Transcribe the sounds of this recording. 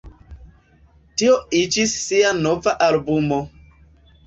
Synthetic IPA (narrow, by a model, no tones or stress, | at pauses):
tioid͡ʒisːianovaʔalbumo